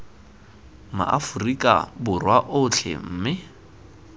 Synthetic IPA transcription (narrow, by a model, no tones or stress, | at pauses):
ma̰ʔa̰fʊrikʼa̰bʊrwaʔʊt͡ɬʰɛ̰m̩ːmɪ